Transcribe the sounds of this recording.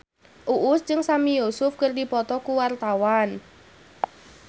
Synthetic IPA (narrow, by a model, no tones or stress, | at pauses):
ʔuʔʊst͡ʃɨŋsamijosʊfkərdipɔt̪ɔkuwart̪awan